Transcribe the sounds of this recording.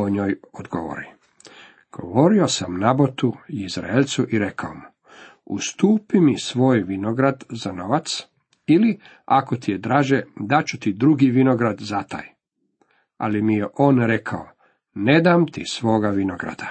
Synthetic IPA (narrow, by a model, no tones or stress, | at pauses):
oɲoːjod̪ɡo̰ʋo̰ɾi | ɡ̥o̞̰ʋo̞ɾio̞samnabot̪uizɾa̰elt̪suʔiɾe̞kʰaomu | ṵst̪uːpimisʋo̞ːjʋino̞ɡɾad̪zano̞ʋat̪s | ili | akot̪ijed̪ɾaːʒed̪at͡ɕut̪id̪ɾuɡiʋino̞ɡɾad̪zat̪a̰ːj | a̰limijeʔo̞ːnɾe̞kʰao | ne̞d̪amt̪isʋo̞ːɡaʋinoɡɾa̰d̪̥a